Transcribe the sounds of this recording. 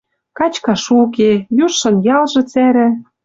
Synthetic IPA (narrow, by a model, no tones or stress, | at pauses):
kɑt͡ɕkɑʃuk̬ejuʃːɤ̆njɑlʒɤ̆t͡sæɾɘ̆